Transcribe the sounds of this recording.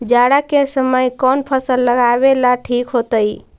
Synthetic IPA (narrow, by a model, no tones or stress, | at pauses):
d͡ʒaɽakesəməjkɔnpʰəsəlːəɡabelaʈʰikɦot̪əj